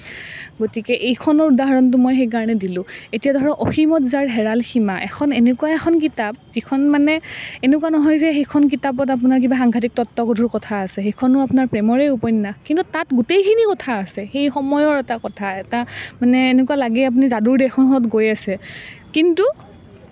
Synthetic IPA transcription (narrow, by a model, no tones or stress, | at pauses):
ɡotikɛʔejkʰɔnɔɹudaɦaɹɔnt̬ʊmɔjxejk̬aɹɔnɛdilʊ̃etijadʱɔɹɹɔʔoximɔtzaɹɦɛɹalximaʔɛkʰɔnenekuwaɛxʰɔnk̬itap̚zikʰɔnmanɛenekuanɔɦɔjzɛxejkʰɔnk̬itapɔt̬ap̬unaɹk̬ibaxaŋɡʱat̬ik̚tɔtːɔkodʱuɹkɔtʰaːsɛxejkʰɔnʊapunaɹpɹɛmɔɹejupɔjnːakintutatɡutejkʰinikɔtʰaːsɛxejxɔmɔjɔɹɛtakɔtʰaɛtamanɛːnekualaɡɛap̬unizaduɹdɛxʰɔnɦɔtɡojasɛkintu